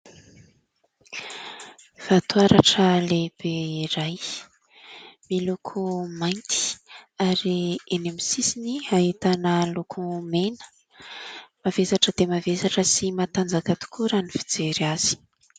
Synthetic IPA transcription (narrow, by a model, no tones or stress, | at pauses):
v̥at̪uaɾaʈ͡ʂəleb̥eiɾaj | milukʰumajnt̪i̥aɾienamisisiniaɦit̪anəlukʰumenə̥ | mavesaʈ͡ʂəd̪̥emavesaʈ͡ʂəsimat̪and͡zakat̪u̥kʰuɾanifi̥d͡zeɾaz̥i̥